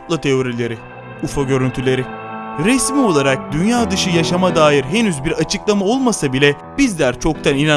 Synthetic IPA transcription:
p̪lˠat̪ʰe̞o̞ɾilʲe̞ɾɪ | ufoɟø̞ɾynt̪ʰylʲe̞ɾɪɾɛsmio̞lˠaɾak̚d̪ynjaːd̪ɯʃɯjaʃamad̪aːjiɾɦe̞nyzbiɾat͡ʃʰɯklˠamao̞lˠmasabilʲɛ | bizlʲæɾt͡ʃʰo̞k̚t̪ʰanina

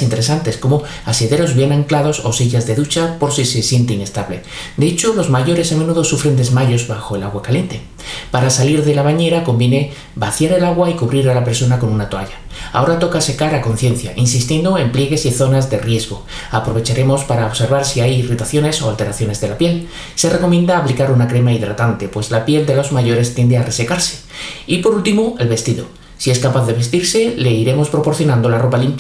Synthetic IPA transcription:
int̪e̞ɾe̞sant̪e̞sko̞mo̞ | aseðe̞ɾo̞zβje̞naŋklaðo̞so̞siʝazðe̞ðut͡ʃapo̞ɾsisesje̞nt̪eine̞st̪aβle̞ | d̪eet͡ʃolo̞zmaʝo̞ɾe̞samẽ̞nuðo̞sufɾe̞nd̪e̞zmaʎo̞zβaxo̞e̞laɣwakalje̞nt̪e̞ | paɾasaliɾðe̞laβaɲe̞ɾako̞mbje̞ne̞ | baθjaɾe̞laɣwaikuβɾiɾalape̞ɾso̞nako̞nunat̪oaʎa | a̰o̞ɾat̪o̞kase̞kaɾako̞nθje̞nθja̰ʔinsist̪jend̪o̞e̞mplje̞ɣe̞siθo̞nazðe̞rje̞zɣo̞ | apɾo̞βet͡ʃaɾe̞mo̞spaɾaoβse̞ɾβaɾsiajirit̪aθjo̞ne̞so̞alt̪e̞ɾaθjo̞ne̞zðe̞lapje̞l | se̞re̞ko̞mjẽ̞nd̪aːplikaɾunakɾe̞maiðɾat̪ant̪e̞pwe̞zlapje̞ld̪e̞lo̞zmaʝo̞ɾe̞st̪jend̪e̞are̞se̞kaɾse̞ | ipo̞ɾult̪imoe̞lβe̞st̪iðo̞̰ | sie̞skapaθðe̞βe̞st̪iɾse̞le̞iɾe̞mo̞spɾo̞po̞ɾθjo̞nãnd̪o̞laro̞palimp

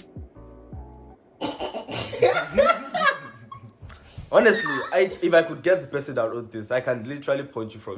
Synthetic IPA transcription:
ɔnɛstliajifajkʰud̚ɡɛt̚ðəbɛsɛdaʊtɔθiŋsajkʰãnlitʰɛɹalipʰɔ̃j̃ntʰjufɹɔ̰̃m

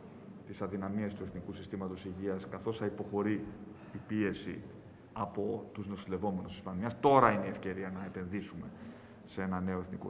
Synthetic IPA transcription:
t̪isɐðinɐmiest̪ue̞θnikusist̪imɐt̪o̞siʝiɐskɐθo̞sθɐipo̞xo̞ɾiː | pie̞sḭ | ɐpo̞t̪uzno̞sile̞vo̞me̞nusi̥spɐniɐst̪o̞ɾɐinee̞fce̞ɾiɐnɐe̞pe̞nðisume̞ | see̞nɐne̞o̞eθniko̰

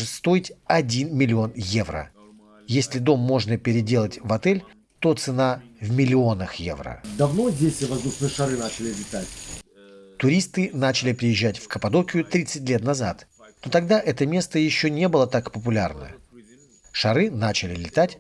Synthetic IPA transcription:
ʐɨst̪o̞jɪtʲɐdʲinmʲɪlʲɪo̞njevɾə̰ | jesʲlʲɪd̪o̞mːo̞ʐnəpʲɪɾʲɪdʲe̞lˠətʲvɐt̪ɛlʲ | t̪o̞t̪sɨnavmʲɪlʲɪo̞nəxje̞̰vɾə̰d̪ɐvnozʲdʲesʲvɐzd̪uʂnɨjəʂɐɾɨnat͡ɕɪlʲɪlʲɪt̪atʲ | t̪ʊɾʲist̪ɨnat͡ɕɪlʲɪpɾʲɪjɪʑːætʲfkəpɐd̪o̞kʲɪʊt̪ɾʲit̪sɨt̚ʲlʲe̞t̪nɐzat̪ | not̪ɐɡ̚d̪aʔɛt̪əmʲe̞st̪əjɪɕːonʲe̞bɨlˠət̪akpəp̬ʊlʲa̰rnə̰ | ʂɐɾɨnat͡ɕɪlʲɪlʲɪt̪atʲ

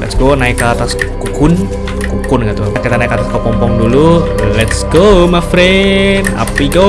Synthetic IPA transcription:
lɛ̰tsɡonaikːaat̪askukʊn | kukʊnɡit̪ukit̪anaikat̪askəpɔmpɔŋdululɛtsɡomafɾɛna̰piɡo

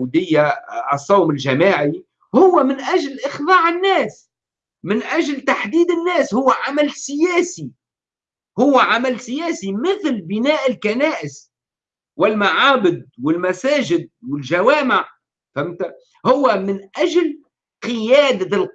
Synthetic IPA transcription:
d̪ɪjːasˤːɑwmɪlʒamaːʕi | hʊwːæmɪnʔæʒlʔɪxðˤɑːʕɪnːæːs | mɪnʔaʒlt̪aħd̪iːd̪ɪnːæːshʊwːæʕamælsɪjæːsi | hʊwːʕamalsɪjæːsimɪθlbɪnæːʔɪlkanæːʔɪs | wɪlmaʕaːbɪd̪̚wɪlmæsæːʒɪd̪̚wɪlʒawæːmɪʕ | famːt̪a | hʊwːæmɪnʔæʒl | qɪjæːd̪al

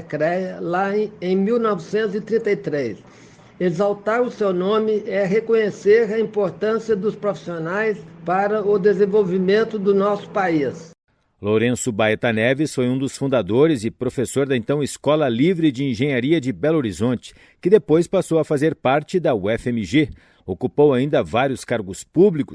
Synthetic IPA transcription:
kɾɛjɐlaẽj̃miwnɔvɪsẽnt̪ʊzɪt̪ɾĩnt̪ɐjt̪ɾejs | ezawt̪aɾʊsewnõmɪɛɦekõɲeseɾɐĩpoɾt̪ɐ̃siɐd̪ʊspɾofi̥sionajspaɾɐʊd̪ezẽvowvimẽnt̪ʊd̪ʊnɔsʊ̥pais | loɾẽsʊbaet̪ɐnɛvɪsfojũd̪ʊsfũd̪ad̪oɾɪzɪpɾofesoɾd̪ɐẽnt̪ɐ̃w̃ɪskɔlɐlivɾɪd͡ʒɪĩʒẽɲaɾiɐd͡ʒɪbɛloɾizõnt͡ʃɪ̥ | kɪd̪epojspasowɐfazeɾpaɾt͡ʃɪd̪ɐwɛfẽmɪʒe | okupowaĩnd̪ɐvaɾjʊskaɾɡʊspublikʊ

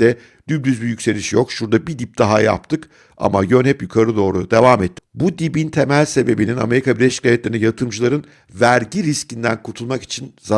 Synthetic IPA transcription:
d̪ɛ | d̪̥ybd̪yzbijycʲse̞lʲiʃjo̞kʃuɾd̪abid̪ip̚d̪̥aɦaja̰p̚t̪ʰɯk | a̰maɟø̞nhɛpjukʰaɾɯd̪o̞ːɾud̪e̞vaːmɛt̪ʰːi̥bud̪ibint̪ʰe̞mælʲse̞be̞binina̰me̞ɾikʰabiɾlʲeʃi̥cʰːajɛt̪lʲeɾinijat̪ʰɯmd͡ʒɯlˠaɾɯn | væɾɟiɾiscind̪ænkʰut̪ʰulˠmaki̥t͡ʃʰinza

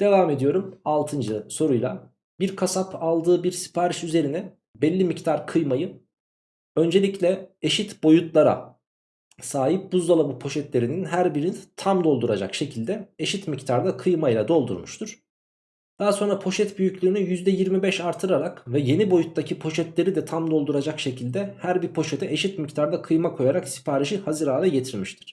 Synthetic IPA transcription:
d̪̥e̞vaːme̞d̪ijo̞ɾumalˠt̪ʰɯnd͡ʒɯso̞ɾujlˠa | biɾkʰasapʰalˠd̪ɯːbiɾsi̥pʰaːɾiʃyze̞ɾinɛ | bɛlʲːimict̪ʰaɾkʰɯjmajɯ | ø̞nd͡ʒe̞lʲiclʲɛeʃit̪bo̞jut̪lˠaɾa̰ | saːɦip̚buzd̪alˠabupʰo̞ʃɛt̪lʲe̞ɾininɦæɾbiɾint̪ʰamd̪o̞lˠd̪uɾad͡ʒa̰kʃe̞cʰilʲd̪ɛeʃit̪mict̪ʰaɾd̪akʰɯjmajlˠad̪o̞lˠd̪ṵɾmuʃt̪ʰuɾ̥ | d̪̥aaso̞nɾapʰo̞ʃɛt̪byjycʲlʲyinijyzd̪ɛjiɾmibɛʃaɾt̪ʰːɯɾaɾakvɛje̞nibo̞jut̪ːacʰipʰo̞ʃɛt̪lʲe̞ɾid̪ɛt̪ʰamd̪o̞lˠd̪uɾad͡ʒakʃe̞cʰilʲd̪ɛhæɾbiɾpʰo̞ʃet̪ʰɛeʃit̪mict̪ʰaɾd̪akʰɯjmakʰo̞jaɾaksi̥pʰaːɾiʃihazɯɾaːd̪ˠaɟe̞t̪ʰiɾmiʃt̪ʰi̥ɾ̥

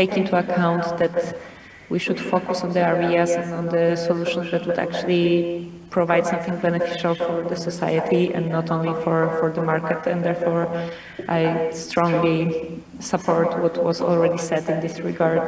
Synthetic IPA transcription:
t̪eɪkĩnt̪uakʰãw̃nt̪d̪ɛt̪ | wiʃud̪fokusɔ̃nd̪əaɹiasɛ̃ndɔ̃nd̪əsɔluʃɔ̃nzd̪ɛt̪wud̪a̰k̚t͡ʃuli | pɹɔvajd̪sãmθɪ̃ŋɡ̚bɛnɛfi̥ʃalfɔɹd̪əsɔsa̰jət̪ʰiɛ̰̃nnɔt̪õnlifɔɹfɔɹd̪əmaɹkɛt̪ʰɛ̃nd̪ɛɹfɔɹ | ʔajst̪ɾɔ̃ŋɡli | sapʰɔɹt̪ʰwɔt̪ʰwɔzɔ̰lˠɹɛd̪isɛd̪ɪ̃nd̪ɪsɹɪɡaɹd

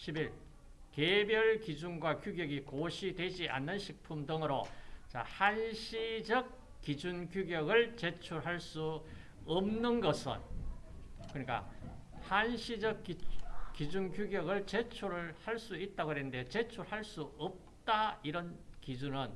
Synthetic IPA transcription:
ɕʰibiɭ | kebjʌɭkid͡ʑunɡwakjuɡjʌɡikoɕʰidwe̞d͡ʑia̰nːɯnɕʰik̚pʰumdɯŋɯɾot͡ɕa̰hanɕʰid͡ʑʌk̚ | k͈ːid͡ʑunkjuɡjʌɡɯɭt͡ɕe̞t͡ɕʰuɭɦaɭs͈u | ʌmnɯnɡʌsʰɯ̰n | kɯɲik͈a̰hanɕʰid͡ʑʌkikid͡ʑunkjuɡjʌɡɯɭt͡ɕe̞t͡ɕʰuɾɯɭhaɭs͈uit̚t͈aɡoɾenɯnde̞t͡ɕe̞t͡ɕʰuɾɯɭhaɭs͈uʌp̚t͈aiɾʌnkid͡ʑunɯn

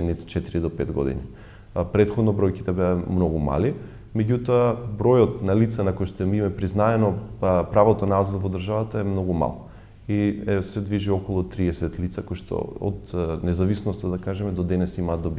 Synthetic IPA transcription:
ɛnit̪t͡ʃɛt̪iɾid̪opɛt̪ɡɔ̰d̪ḭni | pɾɛt̪xɔd̪nɔbɾɔjki̥t̪ɛbɛamnɔɡuma̰li | mɛɟut̪ɔabɾojɔt̪nalit̪sanakojʃt̪ɔɛmimɛpɾiznaɛnɔpɾavɔt̪onaazad̪vod̪əɾʒavat̪aɛmnɔɡuma̰lˠ | isɛd̪viʒiɔkolˠut̪ɾiɛsɛt̪lit̪sakojʃt̪ɔ̰o̰t̪nɛzavisnɔst̪ad̪akaʒɛmɛd̪od̪ɛnɛsimaːd̪d̪ob

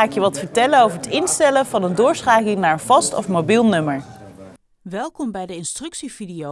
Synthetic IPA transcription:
aːkjəʋɑtfəɹtɛlənowvəɹətɪnstɛləvɑnəndʊːɹsχaːkɪŋnaːɹənv̥ɑstɔ̰fmowbilˠnɵməɹ | ʋɛlˠkɔmbɛjdəɪnstrɵksividio

